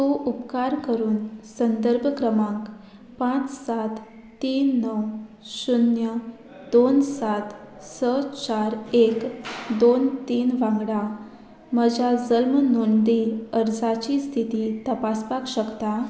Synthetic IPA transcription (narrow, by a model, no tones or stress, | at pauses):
t̪oʔupkaɾkəɾuːnsənd̪əɾbʱəkɾəmãk | pãt͡ssat̪ː | iːnːəw | sunjə | d̪onsat̪ | sət͡ɕaɾekd̪ont̪iːnʋãŋɡɽa | məd͡ʑad͡zəlmnuɳɖ̪iəɾd͡zat͡ɕiːst̪ʰit̪it̪əpaspakɕəkt̪a